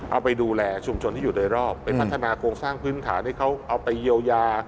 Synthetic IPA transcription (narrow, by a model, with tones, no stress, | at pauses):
ʔa˧wpa˧jduː˧lɛː˧t͡ɕʰu˧mt͡ɕʰo˧nt̪ʰiː˥˩juː˨˩doː˧jɾɔː˥˩pːa˧nnʰa˦˥˩t̪ʰːa˧naː˧kʰɾoː˧ŋsaː˥˩ŋpʰɯː˦˥nt̪ʰa̰ː˩˦nt̪i˥˩kʰa˦˥wʔa˧wpa˧jji˧əwjaː˧